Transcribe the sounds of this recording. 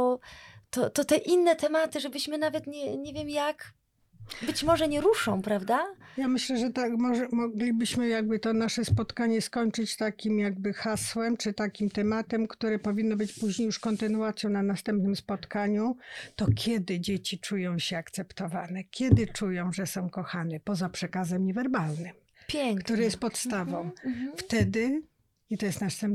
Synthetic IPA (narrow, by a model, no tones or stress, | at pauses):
t̪ɔt̪ɔt̪ɛʔinːɛt̪ɛmat̪ɘʐɛbɘɕmɘnavɛt̪ɲɛɲevʲjɛmjak | bɘt͡ɕmɔʐɛɲɛɾuʂɔ̃w̃pɾavd̪ajamɘɕlɛʐɛt̪akmɔʐɛmɔɡlʲibɘɕmɘjaɡbɘt̪ɔnaʂɛspɔt̪kaɲɛskɔɲt͡ʂɘt͡ɕt̪akʲimjaɡ̚bɘxaswɛmt͡ʂɘt̪akʲimt̪ɛmat̪ɛmkt̪uɾɛpɔvʲinːɔbɘt͡ɕpuʑɲejuʂkɔnt̪ɘnuat̪sʲjɔ̃w̃nanast̪ɛmpnɘmspɔt̪kaɲut̪ɔkʲjɛd̪ɘd͡ʑet͡ɕit͡ʂujɔ̃w̃ɕɛakt̪sɛpt̪ɔvanɛkʲɛd̪ɘt͡ʂujɔ̃w̃ʐɛsɔ̃w̃kɔxanɛpɔzapʂɛkazɛmɲɛvɛɾbalnɘm | pkt̪uɾɛjɛst̪̚pɔt̪st̪avɔ̃w̃ft̪ɛd̪ɘ | it̪ɔjɛst̪nast̪ɛm